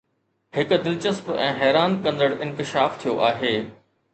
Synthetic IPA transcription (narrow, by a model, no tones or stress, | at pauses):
hɪkʊ̆d̪ɪlt͡ɕəspɛ̃ːɦɛːɾaːnkɐ̃nd̪əɽɪ̃nkɪʃaːft̪ʰijoʔaːɦeː